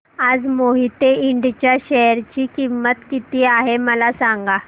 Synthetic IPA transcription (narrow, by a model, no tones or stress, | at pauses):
ad͡zmoɦit̪eiɳɖt͡ɕjaɕɛɾt͡ɕiːkimːət̪kit̪iːaɦeməlasaŋɡa